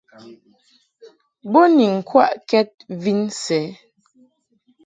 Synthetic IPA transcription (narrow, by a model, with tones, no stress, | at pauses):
bo˦ni˨ŋ̩˨kwa̰˦ʔkɛ˦t̚vi˦nsɛ˨˦